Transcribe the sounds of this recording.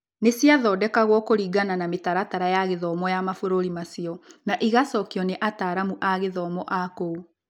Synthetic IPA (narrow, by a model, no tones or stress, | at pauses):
nesiaðɔdɛkaɣwɔkoɾiːɡananametaɾataɾajaɣeðɔːmɔjamafoɾoɾimasiɔnaʔiɣasɔkjɔneʔataːɾamuʔaɣeðɔːmɔʔakou